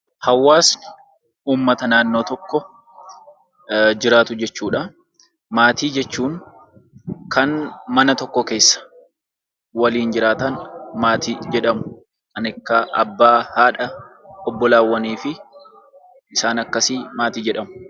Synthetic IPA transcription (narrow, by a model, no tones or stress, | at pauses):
hɐwːaːsnɪ | uːmːɐt̪ɐnaːnːo̞ːt̪ɔkːɔ | d͡ʒɪɾaːt̪ʊd͡ʒɛt͡ʃːuːᶑɐ | maːt̪iːd͡ʒɛt͡ʃːuːŋ | kɐnmɐnɐt̪ɔkːɔke̞ːsːɐ̥ | wɐliːnd͡ʒɪɾaːt̪ɐnmaːt̪iːd͡ʒɛᶑɐmʊ | kɐnɪkːɐʔɐbːaːhaːᶑɐɔbːɔlaːwːɐniːfɪ | ʔɪsaːnɐkːɐsimaːt̪iːd͡ʒɛᶑɐmʊ̥